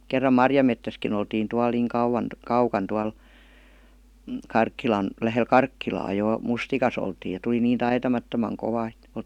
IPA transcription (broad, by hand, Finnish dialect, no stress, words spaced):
kerːɑm mɑrjɑmetːæskin oltiːn tuɑl niːŋ kɑuwɑn kɑukɑn tuɑl m̩ kɑrkːilɑn læhel kɑrkːilɑː joˑ mustikɑs oltiːj jɑ tul̆i niːn tɑitɑmɑtːomɑŋ koʋɑ ĕt